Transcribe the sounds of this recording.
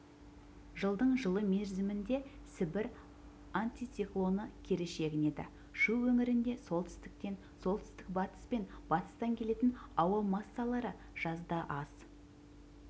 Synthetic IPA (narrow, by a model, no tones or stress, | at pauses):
ʒəlˠd̪əɴʒəlˠəmeɾzɪmɪnd̪e̞sɪbɪɾ | ant̪it̪siklˠo̞nəkʲʰe̞ɾe̞ʃe̞ɡʲɪne̞d̪ɪ̰ | ʒuwwɵŋɪɾɪnd̪e̞so̞lˠt̪ɪ̥st̪ɪk̚t̪e̞n | so̞lˠt̪ɪ̥st̪ɪk̚bɑt̪ə̥spe̞nb̥ɑt̪ə̥st̪ɑŋkʲʰe̞le̞t̪ɪnɑwɑmɑsːɑlˠɑɾə | ʒ̥ɑzd̪ɑʔɑz̥